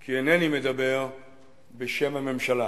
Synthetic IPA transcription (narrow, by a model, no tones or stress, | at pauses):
kʰienenimed̪abeʁ | beʃe̞mame̞mʃala